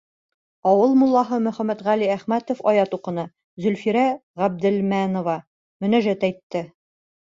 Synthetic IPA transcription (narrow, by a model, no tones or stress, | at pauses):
ɒwɤlˠmulˠːɑɦɤmɵ̆χæmːæt̪ʁæliæχmæt̪ŏfɒjɑt̪uqɤ̆nɤ | zɵ̆lfiɾæʁæb̚d̪ɘ̆lmænŏvɑ | mɵ̆næʒæt̪æjt̪ːɘ